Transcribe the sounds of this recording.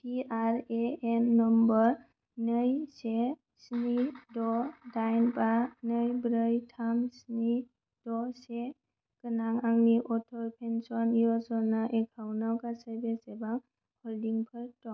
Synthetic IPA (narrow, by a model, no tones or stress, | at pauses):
piaɾeenːɔmbɔɾ | nɯjse | snidɔdajnbanɯjbɾəjtʰamsni | d̥ɔse | kɯnaŋaŋniʔɔtʰɔɾpʰensɔnijɔzɔnaʔekʰawnawkasəɾbesebaŋ | hʰɔldiŋpʰəɾtɔŋ